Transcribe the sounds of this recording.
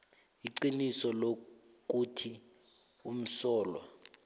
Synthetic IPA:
iǀinisɔlo | k̬ʼutʰi | um̩sɔːla̰

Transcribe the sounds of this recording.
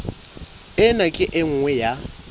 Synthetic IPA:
ɪnakʼɪʔɪŋ̩ŋwɛja

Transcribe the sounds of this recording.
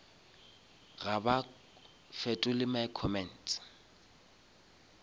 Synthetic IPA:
ɣaba | fɛtʼʊlɪmaɪkʰɔmɛn̩t

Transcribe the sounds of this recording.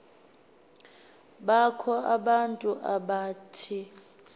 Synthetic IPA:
ɓakʰɔaɓantʼuʔaɓaːtʰi

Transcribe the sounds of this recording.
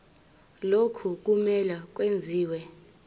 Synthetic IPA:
lokʰuk̬umɛlak̬wend͡zʱiːwɛ

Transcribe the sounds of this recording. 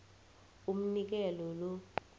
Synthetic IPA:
um̩nik̬ɛlɔlɔ

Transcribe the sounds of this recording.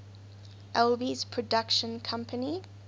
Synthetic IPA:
ʔɛlbiz̥pʰɹ̥ɔdʌkʃə̃nkʰʌ̃mpʰəni

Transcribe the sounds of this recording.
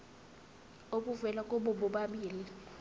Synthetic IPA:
oɓuvɛlakʼoɓɔɓɔɓaɓiːli

